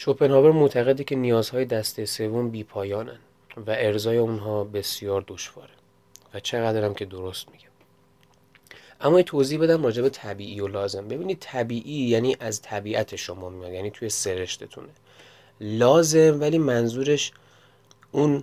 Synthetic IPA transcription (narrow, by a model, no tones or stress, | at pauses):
ʃopʰenhɒːveɾmot̪ʰæɣe̞d̪icʰʲe̞nijɒːzhɒːje̞d̪æst̪ese̞vo̞mbiːpʰɒːjɒːnæn | væʔe̞ɾzɒːje̞unɦɒːbe̞sjɒːɾd̪oʃv̥ɒ̰ːɾe | væt͡ʃʰe̞ɣæd̪ɾæmcʰe̞d̪o̞ɾost̪miɟ̥æm | ʔæmːɒːjit̪ʰoziːhbe̞d̪æmrɒːd͡ʒe̞be̞t̪ʰæbiːʔiːjolɒːze̞mbe̞biːnid̪̚t̪ʰæbiːʔiːjæniːʔæzt̪ʰæbiːʔæt̪ʰe̞ʃo̞mɒːmijɒd̪jæniːt̪ʰuje̞se̞ɾe̞ʃt̪ʰet̪ʰṵne | lɒːze̞mvæliːmænzuːɾe̞ʃ | un